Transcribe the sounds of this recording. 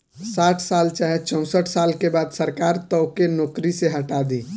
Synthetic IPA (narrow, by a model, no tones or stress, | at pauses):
saʈʰsalt͡ʃaɦet͡ʃə̃ʊ̃səʈʰsalkebad̪səɾkaɾt̪əʊkenoːkɾiseɦəʈad̪i